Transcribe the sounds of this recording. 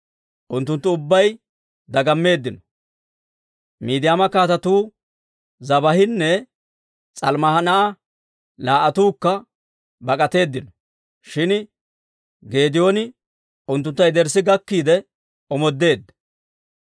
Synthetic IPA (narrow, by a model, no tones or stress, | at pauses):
ʔʊnt̪ːʊnt̪ːʊʊbːɐj | d̪ɐɡɐmːe̞ːd̪ːɪnɔ̥ | miːd̪ɪjaːmɐkaːt̪ɐt̪uː | zɐbɐhɪnːɛ | t͡sʼɐlmɐhɐnɐʔa | laːʔɐt̪uːkːɐ | bɐkʼɐt̪e̞ːd̪ːɪnɔ | ʃɪn | ɡe̞ːd̪ɪjoːnɪ | ʊnt̪ːʊnt̪ːɐjd̪ɛɾsɪɡɐkːiːd̪ɛ | ɔmɔd̪ːe̞ːd̪ːɐ̥